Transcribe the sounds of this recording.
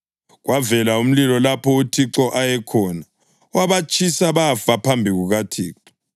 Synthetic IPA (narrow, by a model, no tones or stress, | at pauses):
ɣwavɛlaum̩lilɔlapʰɔutʰiǁɔʔajɛkʰɔːna | waβat͡ʃʰʼisaβafapʰambʱiɣuɣatʰiːǁɔ